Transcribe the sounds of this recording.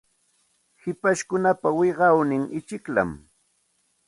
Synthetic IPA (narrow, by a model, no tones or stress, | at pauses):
hɪpaʃkʊnapawɪɢɑwnɪŋʔɪt͡ʃɪkla̰m